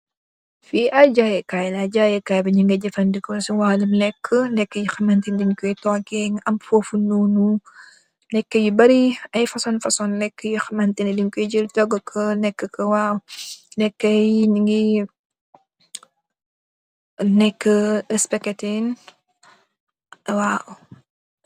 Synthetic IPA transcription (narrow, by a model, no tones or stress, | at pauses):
fiʔaɟajɛkajlad͡ʒajɛkaːjbɐɲiŋɡɐɟɐfɐndikɔsuwaːlumnɛkʰːənɛkːəjuxɐmɐntindiɲkɔjtɔːkɛŋɐmfoːfunuːnu | nɛkːəjubɐɾiɐjfɐsɔnfɐsɔnːɛkːəjuxɐmɐntindiɲkɔjd͡ʒəltɔɡəkʰənɛkːəkɐwaːnɛkːɐjniŋɡi | nɛkːəɛspɛkɛtin | waːʔ